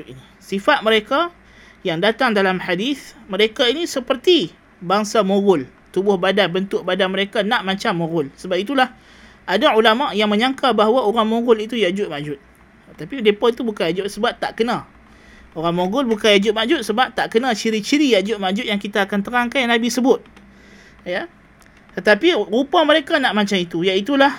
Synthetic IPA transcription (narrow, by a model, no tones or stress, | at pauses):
ini | sifat̪̚məɾeka | jaŋdat̪aŋdalamħadiθməɾekainisəpərt̪i | baŋsamoɡʊl | t̪ubʊhbadanbənt̪ʊʔ̚badanməɾekanãʔmat͡ʃamːoɡʊlsəbap̚it̪ulah | ʔadaulamaʔjaŋmə̃ɲãŋkabaɦwaoɾaŋmõɡʊlit̪ujaʔd͡ʒʊt̪̚maʔd͡ʒʊt̪̚ | t̪apiudepɔit̪ubukajad͡ʒʊt̪̚səbap̚t̪a̰ʔkənã | oɾaŋmõɡʊlbukanjad͡ʒʊt̪̚maʔd͡ʒʊt̪̚səbap̚t̪aʔkənãt͡ʃiɾit͡ʃiɾijad͡ʒʊt̪̚maʔd͡ʒʊt̪̚jaŋkit̪aːkant̪əɾaŋkanjanabisəbʊt̪̚ | ja | t̪ət̪apirupaməɾekanaʔmat͡ʃamit̪ujait̪ulah